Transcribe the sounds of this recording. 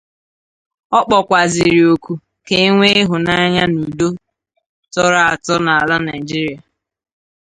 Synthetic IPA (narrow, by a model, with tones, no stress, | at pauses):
ɔ˦k͡pɔ˨kʷa˨zɪ˨ɾi˨o˨kʷu˨ | ke˦ŋʷe˦e˦ɦʊ˨na˦ɲa˦nu˨do˦ | tɔ˦ɾa˨a˨tɔ˦na˨a˨la˦na˨ɪ˨d͡ʒi˦ɾi˨˦a˨